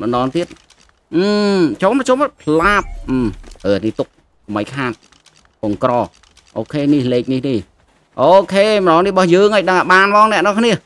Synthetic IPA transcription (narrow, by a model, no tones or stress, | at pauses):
məɗɑːŋt̪iət̪̚ | ʔɨːt͡ɕoːmprɑt͡ɕoməpʰlaːp̚ʔːʔəniht̪uk̚ | soməjkʰaːt̪̚ | ʔoŋkrɑː | ʔoːkʰeːnihleːk̚nihnih | ʔoːkʰeːməɗɑːŋnihɓɑhjəːŋʔəːjɗəŋaɓaːnmɑːŋnɛ̆əʔnɔŋkʰniə